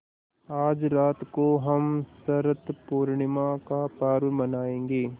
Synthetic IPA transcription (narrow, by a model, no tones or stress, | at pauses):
aːd͡ʒɾaːt̪koɦɐmsɐɾət̪puːɾɳɪmãkapaːɾʋmɐnaːẽːŋɡeː